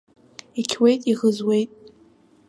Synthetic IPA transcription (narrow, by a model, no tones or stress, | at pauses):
ikʲʰwejtʼiʁəzwejtʼ